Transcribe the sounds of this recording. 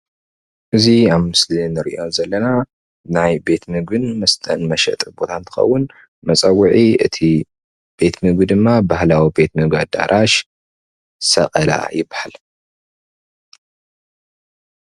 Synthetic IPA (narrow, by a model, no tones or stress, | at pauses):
ʔɨziaβmɨslinɨɾiʔo̞nzɐlːɐna | najbe̞t̪mɨɡɨnmɐst̪ʼɐnmɐʃɐ̰t̪ʼbo̞t̪ʰant̪ʰɨ̥xɐ̰wːʊn | mɐt͡sʼɐwuʕiɨt̪ʰi | b̥e̞t̪mɨɡd̪ɨmːabahlawibe̞t̪mɨɡad̪a̰ɾʔaʃ | sɐ̰qʼɐla̰jɪbːahal